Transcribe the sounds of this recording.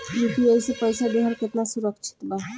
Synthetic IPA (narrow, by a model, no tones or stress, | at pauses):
jukiəisepəjsadeɦəɾket̪nasuɾəkt͡ʃʰi̥t̪ba